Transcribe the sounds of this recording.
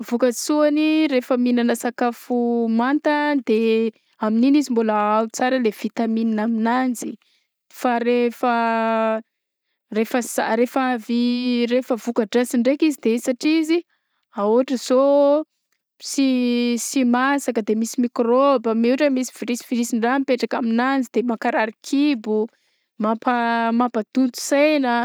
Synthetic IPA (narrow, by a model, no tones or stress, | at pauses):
vukasuanirefəminanəsakafumant̪əd̪e | amininizimbuləawut͡saɾəlev̥it̪amininaminand͡zi | faɾefə | refəzaɾefavirefəvukaʈ͡ʂasiɳɖ͡ʐekizid̪esaʈ͡ʂizi | auaʈ͡ʂəz̥o | sisimasakəd̪emisimikrobəmiuʈ͡ʂəmisi̥v̥iɾisi̥viɾisiɳɖ͡ʐampeʈ͡ʂakaminand͡zid̪emakaɾaɾikʰibu | mapamapad̪unt̪u̥sajnə